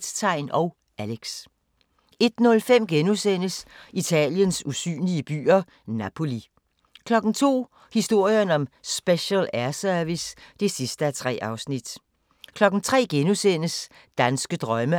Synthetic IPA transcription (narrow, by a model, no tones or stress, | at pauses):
st͡sʰɑ̈ɪ̰nɒ̽ʊ | ʔæleɡ̥s | e̝d̥nɔ̽lfem̰ɡ̥enusen̰əsit͡sʰɛ̰ːljənsusy̰ːnliəb̥y̰ːɐ | næpʰo̝li | kʰlɒ̽ɡ̥n̩t͡sʰo̝̰ː | hisd̥o̝ɐ̰jɐnɒ̽msb̥eɕəlæɐsœɐʋisd̥e̝sisd̥əæɐt͡sʰʁɛ̰ːɑ̈ʊsnid̥ | kʰlɒ̽ɡ̥n̩t͡sʰʁɛ̰ːɡ̥enusen̰əs | d̥ænsɡ̥əd̥ʁɶmə